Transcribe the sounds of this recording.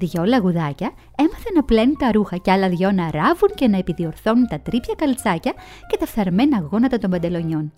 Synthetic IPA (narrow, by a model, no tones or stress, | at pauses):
ðʝo̞lɐɣuðɐcɐ | e̞mɐθenɐple̞nunt̪ɐɾuxɐceɐlɐðʝo̞nɐɾɐvuɲce̞nɐepiðio̞ɾθo̞nunt̪ɐt̪ɾipçɐkɐlt͡sɐcɐ | ce̞t̪ɐfθɐɾme̞nɐːɣo̞nɐt̪ɐt̪o̞mbɐnd̪e̞lo̞ɲo̞n